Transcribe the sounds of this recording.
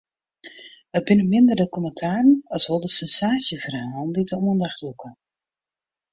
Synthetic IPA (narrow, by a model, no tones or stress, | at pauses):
ət̚bɪnəmɪndərdəkɔməntʰaːrənɑsholˠdəsɛnsaːsjəvərawɔnditəuəndaxtlukʰə